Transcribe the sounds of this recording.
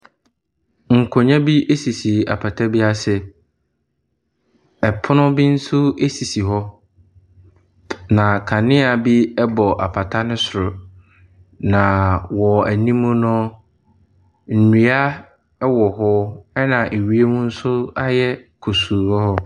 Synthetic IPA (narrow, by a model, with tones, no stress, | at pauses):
ŋ̩˨kʰɔ˨ɲã˦bi˦ʔe˦si˨si˨a̰˨pʰa˨tʰa˦bi˦a˦sɪ˦ | ɛ˨pʰʊ˦nʊ̃˦bi˦n̩˦sʊ˦e˦si˨si˨ɦɔ˦ | nã˨kʰa˨nɪ̃˦a˨bi˦ɛ˦bɔ˨ʔa˨pʰa˨tʰa˦nʊ̃˦sʊ˨ɾʊ˨ | nã˨wɔ˨æ˨nĩ˦mũ˦nʊ̃˦ | n̩˨nũ˨˦a˦ | wɔ˨ɦɔ˦ɛ˦nã˨ʔe˨ɥi˦e˦mũ˦n̩˦sʊ˦a˦jɛ˦kʰo˨su˨ɔ˦hɔ˦